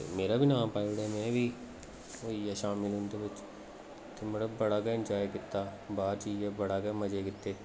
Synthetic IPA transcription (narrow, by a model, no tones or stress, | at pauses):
t̪ḛmeːɾabʱiːnãːpaːjɽɛmɛ̃ːbʱiː | oijɛʃaːmɪlɦʊ̃nd̪eːbɪt͡ʃ | t̪eməɽəbəɽaːɡɛːɪ̃nd͡ʒaːekɪt̪ːaːbaːɾt͡ʃiːd͡ʒebəɽaːɡɛːməd͡ʒeːkɪt̪ːeː